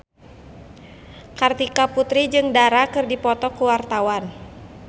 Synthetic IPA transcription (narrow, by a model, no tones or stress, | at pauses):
kart̪ikaput̪ɾid͡ʒɨŋdaɾakɨrdipɔt̪ɔkuwart̪awan